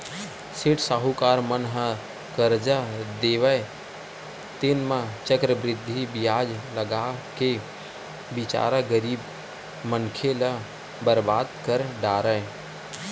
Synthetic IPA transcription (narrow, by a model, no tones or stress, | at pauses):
sɪʈsaːɦukaːɾmənɦə | kəɾd͡ʒad̪eːʋəj | t̪enmãt͡ʃəkɾəbɾɪd̪ʱːibɪjaːd͡ʒləɡake | bɪt͡ʃa̰ːɾəɡəɾiːb | mənkʰelə | bəɾbaːd̪kəɾɖaːɾəe